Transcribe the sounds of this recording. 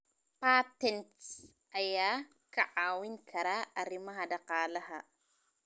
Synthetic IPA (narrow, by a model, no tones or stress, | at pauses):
patɛnts | aja | kaʔawinkʰaɾaaɾimaɦadaqaːlaɦa